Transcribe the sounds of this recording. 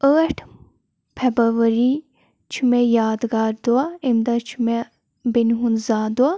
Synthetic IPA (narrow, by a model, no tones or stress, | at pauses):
əːʈʰ | pʰebəʋɐɾi | t͡ʃʰumejaːd̪ɡaːɾd̪uaemd̪at͡ʃʰume | benɦunzaːd̪ua